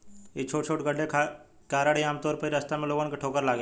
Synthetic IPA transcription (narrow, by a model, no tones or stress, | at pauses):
et͡ʃʰoːʈt͡ʃʰoːʈɡəɽʱekʰa | kaːɾaɽiaːmt̪ɔːɾpəiɾɐst̪amẽloːɡankeʈʰoːkəɾlaːɡe